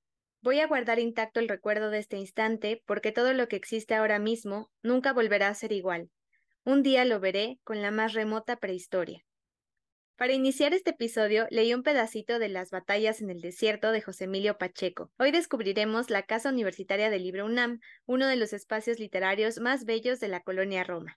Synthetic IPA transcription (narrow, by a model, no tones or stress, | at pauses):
bo̞jaɣwaɾðaɾint̪ak̚t̪o̞elre̞kwe̞ɾð̞o̞ðe̞st̪e̞inst̪ant̪e̞po̞ɾke̞t̪o̞ðo̞lo̞ke̞ːksist̪eao̞ɾamizmo̞ | nũŋkaβo̞lβe̞ɾaːse̞ɾiɣwal | und̪ialo̞βe̞ɾe̞ko̞nlamasre̞mo̞t̪apɾe̞ist̪o̞ɾja | paɾainisjaɾe̞st̪e̞ːpiso̞ð̞jo̞le̞iumpe̞ðasit̪o̞ðe̞lazβat̪aʝase̞ne̞ld̪e̞sje̞ɾt̪o̞ð̞e̞xo̞se̞miljo̞pat͡ʃe̞ko̞o̞jðe̞skuβɾiɾe̞mo̞zlakasauniβ̞e̞ɾsit̪aɾjaðe̞lːiβɾounãmuno̞ð̞e̞lo̞se̞spasjo̞zlit̪e̞ɾaɾjo̞zmazβe̞ʝo̞zðe̞lako̞lo̞njaro̞ma